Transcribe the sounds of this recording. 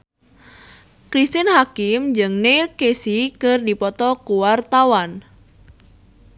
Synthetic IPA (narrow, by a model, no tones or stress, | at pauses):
kɾist̪inhakɪmd͡ʒɨŋnelkesikɨrdipɔt̪ɔkuwart̪awan